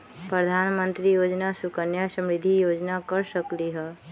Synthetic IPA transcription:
pɾəd̪ʱanmənt̪ɾijod͡ʒnasukənjasə̃mɾid̪ʱːijod͡ʒnakəɾsəkliɦɛ

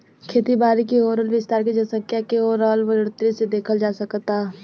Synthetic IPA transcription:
kʰeːt̪ibaːɾikiɦoːɾəlʋɪst̪aːɾkid͡ʒəsə̃kʰjakeɦoːɾaːlʋəlɾt̪ɾised̪eːkʰəld͡ʒaːsəkt̪aː

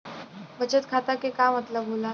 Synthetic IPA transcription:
ʋət͡ɕət̪kʰat̪akekamət̪ləbɦola

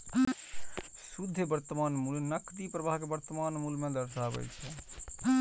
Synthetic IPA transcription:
sud̪ʱːebəɾt̪ːəmanmulnəkt̪ipɾəbaɦkebəɾt̪əmanmulmẽd̪əɾsabə̰jt͡ʃʰɛ

